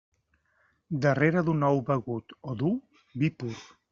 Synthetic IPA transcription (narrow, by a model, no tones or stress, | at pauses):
d̪əreɾəðunɔwbəɣut̪oðu | bipuɾ